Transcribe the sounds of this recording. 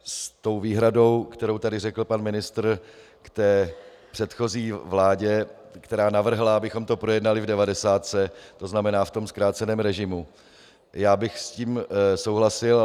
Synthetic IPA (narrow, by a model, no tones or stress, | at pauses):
st̪o̞wviːɦɾado̞wkt̪ɛɾo̞wt̪adɪrɛkl̩panmɪnɪst̪r̩ | kt̪ɛː | pr̥ɛt̪xo̞ziːvlaːɟɛ | kt̪ɛɾaːnavr̩ɦlaabɪxo̞mt̪o̞pɾo̞jɛdnalɪvdɛvadɛsaːt̪t͡sɛt̪o̞znamɛnaːft̪o̞mskɾaːt͡sɛnɛːmɾɛʒɪmu | jaːbɪxsciːmso̞wɦlasɪl